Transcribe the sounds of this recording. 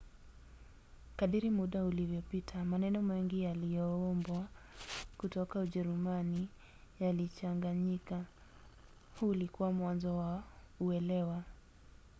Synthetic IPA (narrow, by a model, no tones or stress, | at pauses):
kaɗiɾimuɗaulivjɔpitʰamanɛnɔmɛŋɡijalijɔɔmbwa | kutɔkauʄɛɾumani | jalit͡ʃaŋɡaɲika | hulikuwamwanzɔwa | uɛlɛwa